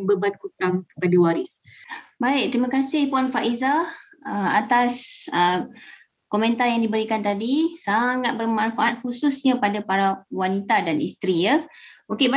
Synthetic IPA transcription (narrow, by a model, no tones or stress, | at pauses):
bəbankut̪aŋkəpadawaɾisbaɪk̚t̪ɾimãkasɪhpuanfaʔizahəat̪asə | komɛ̃nt̪arjaŋdibəɾikant̪adisaŋat̪̚bərmãnfaʔat̪̚hususɲãpadapaɾawanit̪adanḭst̪ɾijə | okeb